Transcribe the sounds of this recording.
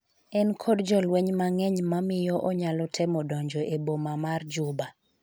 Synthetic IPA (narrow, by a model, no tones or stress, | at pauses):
ɛnkʰɔdd͡ʒɔlweɲmaŋɛɲmamɪjɔʔɔɲalɔtʰɛmɔdɔɲd͡ʒɔʔebomamard͡ʒʊba